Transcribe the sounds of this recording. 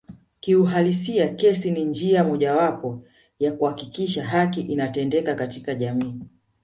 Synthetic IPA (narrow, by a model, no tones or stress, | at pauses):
kiuɦalisiakɛsinind͡ʒiamɔʄawapɔ | jakuhakikiʃaɦakiʔinatɛndɛkakatikaʄamiː